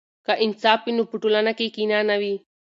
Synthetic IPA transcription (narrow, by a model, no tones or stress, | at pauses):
kaʔinsaːpinupuʈulɐnɐkekinaːnɐʋi